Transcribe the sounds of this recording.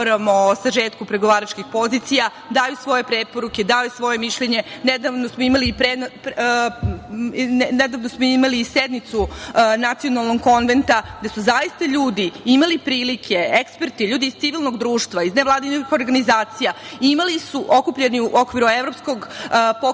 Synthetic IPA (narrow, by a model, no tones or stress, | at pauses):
ɾamosaʒeːt̪kupɾeɡoʋaːɾat͡ʃkixpo̞ziːt̪sija | d̪aːjusʋo̞je̞pɾepo̞ɾuked̪aːjusʋo̞je̞miʃʎeɲe̞ned̪aʋnosmoimalipɾep | ned̪aʋnosmoimaliːsed̪nit̪sunat̪io̞nalˠno̞ɡko̞nʋe̞nt̪ad̪asuzaist̪aʎuːd̪iimalipɾiːlikʰe̞ekspe̞ɾt̪iʎuːd̪iːz̥t̪iʋilˠno̞ɡd̪ɾuːʃt̪ʋaizneʋlˠaːd̪inixo̞ɾɡanizaːt̪sijaimalisuʔo̞kupʎeniuʔo̞kʋiɾueʋɾo̞psko̞ɡpo